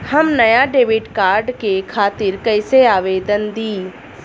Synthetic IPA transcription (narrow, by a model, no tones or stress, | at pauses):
hɐmnɐjaɖeːʋɪʈkaːɾɖkekʰaːt̪ɪɾkɐɪseaːʋeːd̪ənd̪iː